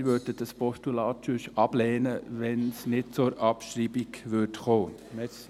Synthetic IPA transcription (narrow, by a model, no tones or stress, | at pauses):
ʋødədɑspɔstulɑːtt͡ʃyʃɑb̥lɛːnəʋɛnsnɪt̚t͡sʊɾɑpʃɾiːbiɡʋʏtχoː